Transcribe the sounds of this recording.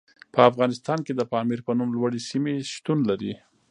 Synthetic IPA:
pʰəafɣɑnɪst̪ɑnked̪əpɑmiɾpənumlwaɽisimeʃt̪unlaɾi

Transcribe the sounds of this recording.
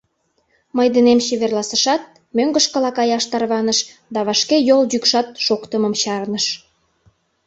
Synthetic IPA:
məjd̪ənemɕeβerlɑsəʃɑt̪̚ | møŋɡəʃkəlɑkɑjɑʃt̪ɑrβɑnəʃ | d̪ɑβɑʃkejoldykʃɑt̪̚ʃokt̪əmə̆mɕɑrnəʃ

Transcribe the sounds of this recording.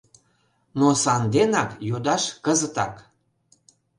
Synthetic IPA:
nosɑnd̪enɑkjod̪ɑʃkəzət̪ɑ̰k

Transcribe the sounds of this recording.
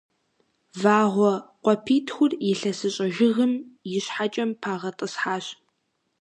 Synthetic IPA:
vaːʁʷɔqʷɔpʰiːtʰxʷʊrjɪɬɐsɨɕʼɐʒɪɣɨmjɪɕħat͡ʃʼɐmpʰaːʁɐtʼɨsħaːɕ

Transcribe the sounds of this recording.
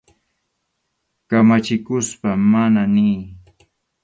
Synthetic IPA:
kamat͡ʃɪkʊspamananɪː

